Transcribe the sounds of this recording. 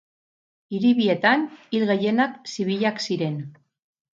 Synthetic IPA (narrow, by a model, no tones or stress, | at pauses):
iɾiβie̞t̪anilɣeje̞naksiβ̞iʎaksiɾe̞n